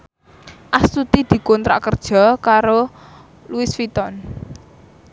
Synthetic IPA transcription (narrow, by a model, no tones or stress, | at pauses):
ʔast̪ut̪id̪̥i̤kɔnt̪ɾa̰ʔkərd̥ʒ̥ɔ̤kaɾo | luɪsfit̪ɔn